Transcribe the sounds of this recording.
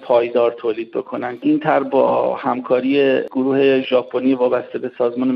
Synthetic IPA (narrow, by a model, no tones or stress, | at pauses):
pʰɒːjd̪ɒːɾt̪ʰoːliːd̪̚be̞̰kʰo̞nænd̪ʔiːnt̪ʰæɾbɒːhæmkʰɒːɾijeɡoɾuːhe̞ʒɒːpʰoniːvɒːbæst̪e̞be̞sɒːzmɒːne